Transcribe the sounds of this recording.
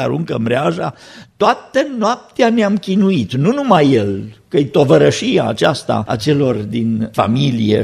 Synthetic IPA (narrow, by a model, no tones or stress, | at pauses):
aɾuŋkəmbɾeaʒat̪oat̪ənoap̚t̪eaneamkʲinuit̪nunumajːelkət̪o̞vəɾəʃija̰ːt͡ʃast̪a̰a̰t͡ʃe̞lo̞rd̪infa̰milijḛ